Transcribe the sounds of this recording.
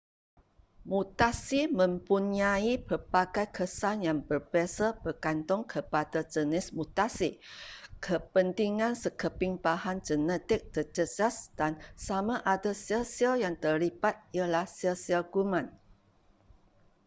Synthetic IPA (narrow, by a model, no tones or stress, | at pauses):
mut̪asimə̃mpuɲaipərpaɡajkʰəsanjaŋbərbasabərkant̪ɔŋkʰəpadad͡ʒənɪsmut̪asikʰəpənt̪iŋãnsəkəpiŋpahand͡ʒənɛt̪ɪk̚t̪ərd͡ʒəd͡ʒasd̥ansamaʔadasiəsialjaŋt̪əlipat̪̚ijalahsiəsialɡumãn